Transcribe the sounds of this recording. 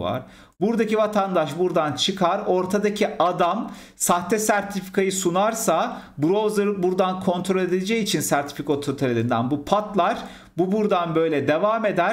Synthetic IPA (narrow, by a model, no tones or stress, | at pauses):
va̰ɾ̥ | buɾd̪acivat̪ʰand̪aʃbuɾd̪ant͡ʃʰɯkʰaɾo̞ɾt̪ʰad̪acʰiad̪am | saht̪ʰɛsæɾt̪ʰifi̥kʰajɯsunaɾsabuɾozlˠaɾɯbuɾd̪ankʰo̞nt̪ʰɾo̞lʲe̞d̪id̪ʲed͡ʒɛjit͡ʃʰinsæɾt̪ʰi̥fikot̪ʰot̪ʰaɾelʲind̪ænbupʰat̪lˠaɾ | bubuɾd̪anbø̞jlʲɛd̪e̞vaːme̞d̪æɾ